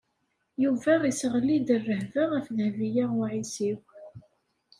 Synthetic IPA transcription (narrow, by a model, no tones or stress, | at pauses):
juvæʁisəʁlːid̪ərːəhvəʁəfðəhvijaʁʊʕisiw